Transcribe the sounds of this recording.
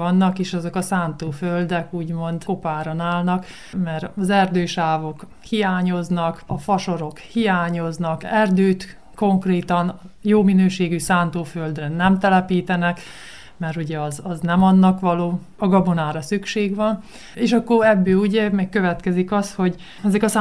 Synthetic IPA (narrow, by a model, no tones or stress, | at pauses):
ɒnːɒkeːʃɒzo̞kɒsaːnt̪oːføld̪ɛkuːɟmo̞nd̪ko̞paːɾonaːlnɒk | mɛɾɒzɛrd̪øːʃaːvo̞k | hijaːɲo̞znɒkɒfɒʃo̞ɾo̞khijaːɲo̞znɒkɛrd̪øːt̪ | ko̞ŋkreːt̪ɒn | joːminøːʃeːɡysaːnt̪oːføld̪rɛnɛmt̪ɛlɛpiːt̪ɛnɛk | mɛɾuɟɛɒzɒznɛmɒnːɒkʋɒloː | ɒɡɒbonaːɾɒsykʃeːɡʋɒn | eːʃɒkːoɾɛbːøːuɟɛmɛkkø̞vɛt̪kɛzikɒsho̞ɟ | ɛzɛkɒ